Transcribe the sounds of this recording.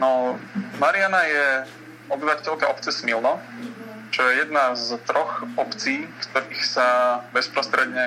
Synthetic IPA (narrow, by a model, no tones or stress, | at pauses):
nɔmaɾɪanajɛ | ɔbiʋatɛʎkaʔɔp̚t͡sɛsmilnɔ | t͡ʃɔjɛjɛd̪nazt̪ɾʔɔxɔpt͡siːkt̪ɔɾiːxsabɛspɾɔst̪ɾɛd̪ɲɛ